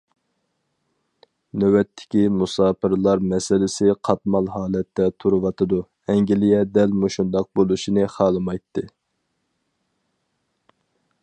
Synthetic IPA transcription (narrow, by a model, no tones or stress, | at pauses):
nøwɛt̪ʰːɪ̥kʲimusɑːpʰɨɾɨlˠɑɾmɛsɪlɪsɪqʰɑt̪mɑlˠhɑːlˠɛt̪ʰːɛt̪ʰuɾɨwɑt̪ʰɨd̪u | ɛŋɡʲilijɛd̪ɛlmoʃund̪ɑq̚bolˠuʃinɨχɑːlˠɨmɑjt̪ʰːɨ